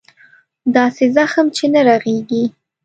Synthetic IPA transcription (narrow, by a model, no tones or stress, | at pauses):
d̪ɑsezaxəmt͡ʃenaɾaɣeɡi